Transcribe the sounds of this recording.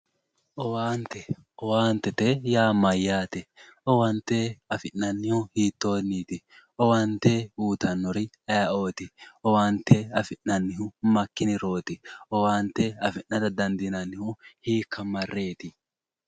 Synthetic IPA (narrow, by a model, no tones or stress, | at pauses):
ʔɔwaːnt̪ɛ | ɔwaːnt̪ɛt̪ɛjaːmɐjːaːt̪ɛɔwɐnt̪eɐfɪʔːɐnːɪhʊhiːt̪ːo̞ːnːiːt̪ɪ | ɔwɐnt̪euːt̪ɐnːɔɾɪ | ɐjao̞ːt̪ɪɔwaːnt̪ːɛɐfɪnːɐnːɪhʊmɐkːɪnɪɾo̞ːt̪ɪʔɔwaːnt̪ɛɐfɪʔːɐd̪ɐd̪ɐnd̪ɪnɐnːɪhʊhiːkʰːɐmɐrːe̞ːt̪ɪ